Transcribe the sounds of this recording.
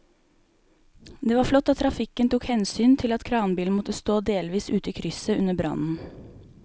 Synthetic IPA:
d̪eːʋɑːɾflɔt̪ːɑt̪ʰːɾɑfɪkənt̪uːkhɛnsyːnt̪ʰɪlɑt̪kʰɾɑːnbiːln̩mɔt̪əst̪oːd̪eːlʋiːsʉːt̪əiːkʰɾʏsəʉnəbɾɑ̰nn̩

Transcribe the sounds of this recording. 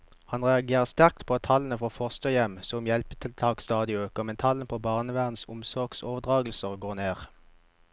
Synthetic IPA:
hɑnʁɛɑɡeːʁəst̪æʁk̚t̪pʰoːɑt̪ʰɑlən̩əfoːʁfoʁst̪oːjɛmsɔmjɛlpət̪ʰɪlt̪ʰɑːkst̪ɑːd̪ɪøːkəʁmɛnt̪ʰɑlənpʰoːbɑːʁnəʋæːʁənsʊmsɔʁɡsoːʋəʁd̪ʁɑːɡlsəʁɡoːʁneːʁ

